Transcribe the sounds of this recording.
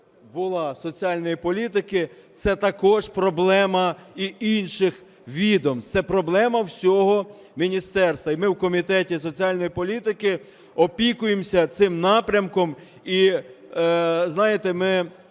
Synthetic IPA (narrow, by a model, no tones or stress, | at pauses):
bʊlˠɑsɔt͡sʲiɑlʲnɔjipɔlʲit̪ɪkɪt̪sɛt̪ɐkɔʒpɾɔblˠɛmɐiinʃɪx | ʋʲid̪ɔmt̪sɛpɾɔblˠɛmɐwsʲɔɦɔ | mʲinʲist̪ɛrst̪ʋɐimɪwkɔmʲit̪ɛtʲis̬ɔt͡sʲiɑlʲnɔjipɔlʲit̪ɪkɪ | ɔpʲikʊjemsʲɐt̪sɪmnɑpɾʲɐmkɔm | i | znɑjet̪ɛmɪ